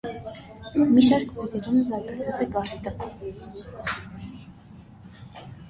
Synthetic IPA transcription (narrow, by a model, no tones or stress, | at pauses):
miʃɑɾkʰvɔvɛɾumzɑɾɡɑt͡sʰɑt͡sɛɡɑɾst̪ə